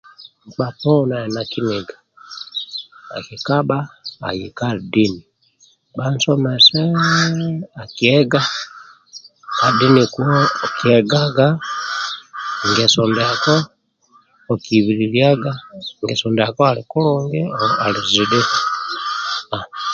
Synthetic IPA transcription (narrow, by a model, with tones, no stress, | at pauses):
ɓa˨tɔ˦na˨ina˨ki˦niɡa | a̰˨ki˨ka˦ba̰ː˦˨ji˨ka˦di˦ni | ba˦n̩˦sɔ˦mɛ˨sɛ˦ | a˨ki˨ɛ˦ɡa˦ | ka˨di˦ni˨ku˦ɔ˦ki˨ɛ˨ɡaɡa˦ | ŋɡɛ˨sɔ˨ndɛa˨kɔː˦˨ | ki˨βiɾilja˦ɡaŋɡɛ˨sɔndɛa˨kɔ˦aliku˦luŋɡi˦a˨li˨zi˨dɛ˦ | a˨